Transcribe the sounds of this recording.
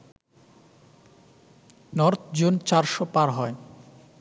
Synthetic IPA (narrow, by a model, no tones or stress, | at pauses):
nɔɾt̪ʰd͡ʑont͡ɕaɾʃopaɾɦɔe